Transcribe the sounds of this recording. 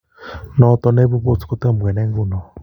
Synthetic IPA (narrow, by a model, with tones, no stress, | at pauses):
nɔ˨t̪ɔ˨ne˦βu˦βo˦˨t͡su̥˨ko˦te˦˨m˨ɡɛ˨nɛ˦ŋ˦ɡu˦˨nɔ˨